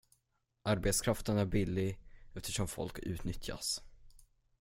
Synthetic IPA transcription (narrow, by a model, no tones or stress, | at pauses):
ʔaɾbɛt̪skʰɾaft̪ənæɾbɪlːɪɛft̪ə̥ʂɔmfɔ̰lkʉ̟ːt̪nʏt̪ʰja̰s